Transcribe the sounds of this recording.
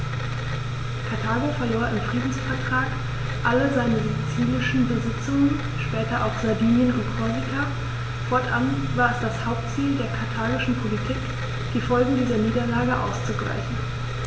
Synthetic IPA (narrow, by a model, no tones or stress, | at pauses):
kʰaɐtʰaːɡofɐjoːɐʔɪmfʁ̥iːdn̩sfɛɐtʁ̥aːk | ʔaləzaɪnəzut͡siːlɪʃn̩bəzɪt͡sʊŋən | ʃpɛːtɐʔaʊxz̥aɐdiːnjənʁukʰɔɐzikʰa | fɔɐtʔa̰bntv̥aːɐɛsd̥ashaʊp̚tt͡siːldeːɐkʰaɐtʰaːɡɪʃn̩pʰolitʰiːk | d̥iːfɔlɡŋ̩diːzɐniːdɐlaːɡəʔa̰ʊst͡suɡla̰ɪçn̩